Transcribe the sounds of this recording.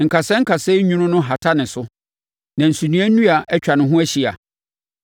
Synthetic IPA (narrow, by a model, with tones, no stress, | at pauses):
ŋ̩˨kʰa˨sɛ̃˦ŋ̩˦kʰa˨sɛ˦ɲũ˦nʊ̃˦nʊ̃˦ɦa˨tʰa˦nɪ̃˨sʊ˦ | nã˨n̩˨su˨nũ˦æ˦nũ˦a˨ʔɛ˦t͡ɕᶣa˨nʊ̃˨ɦʊ̃˦æ˦ɕi˦a̰˨